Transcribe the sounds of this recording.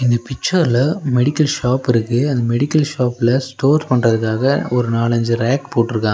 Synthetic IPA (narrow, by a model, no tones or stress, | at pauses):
ɪnd̪ɐpɪk̚t͡ʃɐɾlɐmɛɽɪkːɐlʃaːpɪɾɯkːɯɐnd̪ɐmɛɽɪkːɐlʃaːpɪlɐsʈoːɾspɐɳrɐðɯkːaːɣɐɔɾɯnaːlɐɲd͡ʒɯɾaːkpoːʈːɯɾɯkːãː